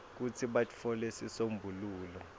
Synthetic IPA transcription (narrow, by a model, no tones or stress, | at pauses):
k̬ut͡sʰiɓafʰɔlesisombʱuluːlɔ